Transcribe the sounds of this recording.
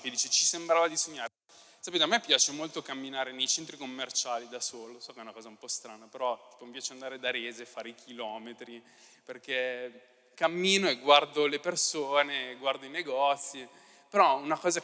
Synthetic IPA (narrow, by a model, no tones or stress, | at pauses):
ked̪iːt͡ʃet͡ʃisembɾaːvad̪isoɲːaːɾ | sapeːt̪eamːɛpːjaːt͡ʃemolt̪okamːinaːɾenejt͡ʃent̪ɾikomːert͡ʃaːlid̪asoːlosɔːkeɛunakɔːzaumpɔst̪ɾaːnapeɾɔt̪i̥ːpomipjaːt͡ʃeand̪aːɾed̪aɾeːzefaːɾeikʰilɔːmet̪ɾi | perk̟e | kamːiːnoeɡward̪olepersoːneɡward̪oineɡɔt̪sːi | peɾɔunakɔːza